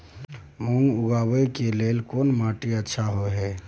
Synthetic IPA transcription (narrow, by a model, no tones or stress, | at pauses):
moŋɡʊɡabəjkelelkonmaʈiətːʃʰaɦoɦɛ